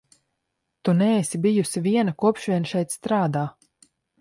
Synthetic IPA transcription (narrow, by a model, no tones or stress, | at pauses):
t̪unɛːsibijusiviɛnakuɔpʃʋʲiɛnʃɛjt̪st̪ɾaːd̪aː